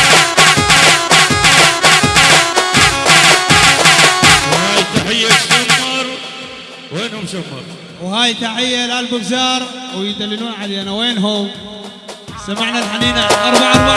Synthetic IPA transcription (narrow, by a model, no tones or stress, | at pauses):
whaːjt̪aħɪjːaʃamːɑɾˤ | weːnhʊmʃamːɑ̰ɾˤ | whaːjt̪aħɪjːalalbʊbzɑːɾˤwjd̪alːɪluːnʕaljanaweːnɦʊm | samaʕnalħaniːnaanʔɑɾˤbaʕʔɑɾˤba